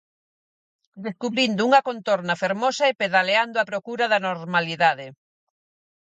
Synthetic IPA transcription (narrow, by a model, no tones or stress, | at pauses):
d̪eskuβɾind̪ʊuŋɐkont̪oɾnɐfeɾmosɐepeðaleand̪oapɾokuɾaðɐnoɾmaliðaðe